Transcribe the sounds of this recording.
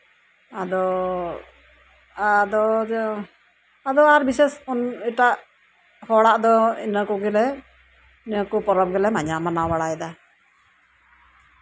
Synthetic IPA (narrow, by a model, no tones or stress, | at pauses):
ad̪ɔ | d̪ɔ | ad̪ɔaɾbisɛsuniʈaʔ | hɔɽaʔd̪ɔinəkuɡɛlɛ | nəkupɔɾɔp̚ɡɛlɛmaɲamanawaɽaɛd̪a